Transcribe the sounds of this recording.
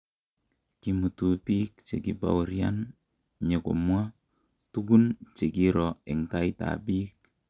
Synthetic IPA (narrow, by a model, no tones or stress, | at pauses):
kimut̪upik̚t͡ʃekipa̰uɾja̰n | ɲeko̰mwa | tukunt͡ʃekiɾɔɪŋkaita̰bik̚